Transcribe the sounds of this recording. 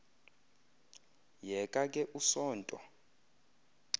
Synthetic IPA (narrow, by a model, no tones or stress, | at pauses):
jɛkʼakʼɛʔusɔːntʼɔ